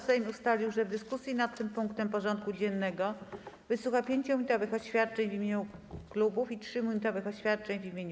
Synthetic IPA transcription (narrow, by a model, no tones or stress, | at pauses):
sɛmʲiust̪alʲiwʐɛvd̪ɘskusʲjinat̪ːɘmpuŋkt̪ɛmpɔʐɔnt̪̚kud͡ʑɛnːɛɡɔvɘswuxapʲjeɲt͡ɕmuɲit̪ɔvɘxɔɕfʲjat̪̚t͡ʂɛɲvʲimʲjeɲuklubufitʂɘmuɲit̪ɔvɘxɔɕfʲjat̪̚t͡ʂɛɲvʲimʲjeɲ